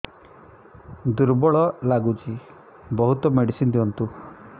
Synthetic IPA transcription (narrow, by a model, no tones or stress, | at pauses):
d̪uɾbɔɭɔlaɡut͡ʃi | bɔɦut̪ɔmeɽisind̪iɔnt̪u